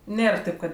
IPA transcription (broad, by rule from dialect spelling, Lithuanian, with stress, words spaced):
ˈnʲeːr ˈtʲeːp kɐt